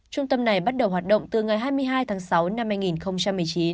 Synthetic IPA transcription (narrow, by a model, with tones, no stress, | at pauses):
t͡ɕʊ˧ŋ͡mt̪ə˧mna˨˩jɓa˦˥t̚ɗə˨˩wɦwaː˨˩t̚ɗə̰˧˨wŋ͡mt̪ɨ˨˩ŋa˨˩jɦaː˧jmɨ˧əjɦaː˧jt̪ʰaː˨˦ŋsa˨˦wna˧mhaː˧jŋi˨˩nxə˧wŋ͡mt͡ɕa˧mːɨ˨˩əjt͡ɕi˨˦n